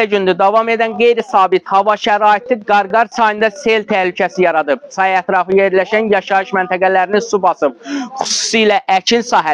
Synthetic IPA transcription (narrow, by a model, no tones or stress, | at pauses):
æd͡ʒynd̪yd̪ɑvɑme̞d̪ænɡe̞jɾisɑːbit̪hɑvɑʃæɾɑːjet̪ʰiɡɑɾɡɑɾsɑjɯnd̪ɑse̞lt̪ʰæhlycʰæsijɑɾɑd̪ɯb̚sɑjæt̪ʰɾɑfɯje̞ɾlæʃænjɑʃɑɯʃmænt̪ʰæɡælæɾininsubɑsɯb̚χu̥su̥sijlæʔæt͡ʃʰinsɑːɦæ